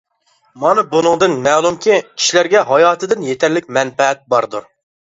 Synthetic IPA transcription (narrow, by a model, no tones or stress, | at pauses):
mɑnɨbunɨŋd̪ɨnmɛːlˠumkʲikʲʰi̥ʃlæɾɡʲɛɦɑjɑːt̪ʰɨd̪ɪnjet̪ʰæɾlɪkʲmɛnfɛɦɛt̪̚bɑɾd̪uɾ